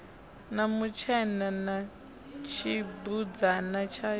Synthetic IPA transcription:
namut͡ʃʰɛnana | t͡ʃʰibud͡zanat͡ʃʰa

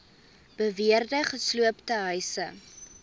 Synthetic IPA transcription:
b̥əviərdəχəsluəptəɦœjsə

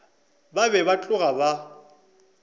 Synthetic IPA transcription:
babɛbat͡ɬʼʊɣaba

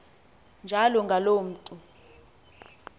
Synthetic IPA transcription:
nd͡ʒʱalɔŋɡʱaloːm̩ːtʼu

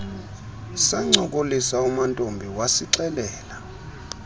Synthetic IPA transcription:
saŋ͡ǀɔkʼolisaumantʼombʱiwasiǀɛlɛːla

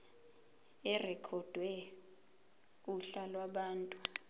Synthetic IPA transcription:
ɛrɛkʰɔd̥ʱwɛ | uɬalwaɓaːntʼu

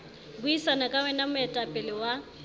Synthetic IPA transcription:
bʊisanakʼawɛnamʊɛtʼapʼɪlɪwa

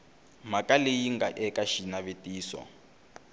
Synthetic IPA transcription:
makalejiŋɡaʔɛkaʃinaβetiːsɔ̰

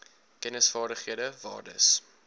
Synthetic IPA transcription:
kɛnəsfɑːrdəχhiədəvɑ̰ːrdə̰s

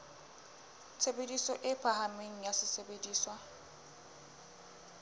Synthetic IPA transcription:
t͡sʰebedisɔʔɪpʰaɦameŋ̩jasɪsebediːswa

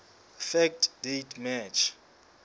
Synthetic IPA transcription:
fɛk̚tʰdetʰmɛt͡ʃʰ

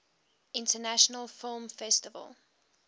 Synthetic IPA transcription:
ʔɪ̃ntənæʃənəlˠfɪlˠmfɛstɪvə̰lˠ

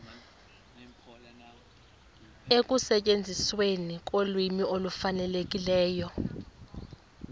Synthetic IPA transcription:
ek̬ʼusɛcʼend͡zʱiswenik̬ʼolwimiolufanɛlek̬ʼilɛːjɔ

